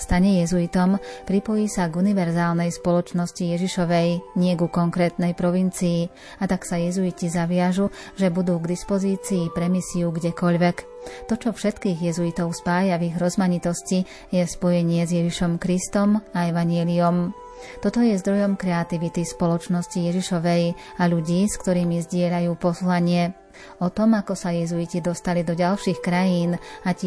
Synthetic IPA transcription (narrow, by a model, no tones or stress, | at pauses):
st̪aɲɛjɛzuit̪ɔmpɾipɔjiːsaɡuniʋɛɾzaːlnɛjspɔlɔt͡ʃnɔscijɛʒiʃɔʋɛjɲɪɛɡukɔŋkɾɛːt̪nɛjpɾɔʋint͡siː | at̪aksajɛzuicizaʋɪaʒu | ʒɛbud̪uːɡd̪ispɔziːt͡siːpɾɛmisiuɡɟɛkɔʎʋɛk | t̪ɔt͡ʃɔfʃɛt̪kiːɣjɛzuit̪ɔʊspaːjaviɣɾɔzmaɲit̪ɔsci | jɛspɔjɛɲɪɛzjɛʒiʃɔmkɾist̪ɔmaɛʋaɲjɛliɔm | t̪ɔt̪ɔjɛzd̪ɾɔjɔmkɾɛat̪iʋit̪ispɔlɔt͡ʃnɔscijɛʒiʃɔʋɛj | aʎuɟiːskt̪ɔɾiːmizɟɪɛʎajuːpɔslaɲɪɛ | ɔt̪ɔmakɔsajɛzuicid̪ɔst̪alid̪ɔɟalʃiːxkɾajiːnac